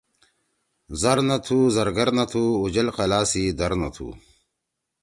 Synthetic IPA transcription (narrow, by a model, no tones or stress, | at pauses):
zɐɾnɐt̪ʰuzɐɾɡɐɾnɐt̪ʰuːd͡ʑɐlqɐlaːsid̪ɐɾnɐ̰t̪ʰṵː